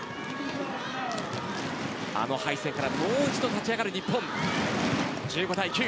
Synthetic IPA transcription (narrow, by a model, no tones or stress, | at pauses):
a̰no̞haiseŋkaɾamoːit͡ɕi̥t̪o̞t̪at͡ɕiaɡaɾɯ̟ɲ̟ipːõn | d͡ʑɨːɡo̞d̪aikʲɨː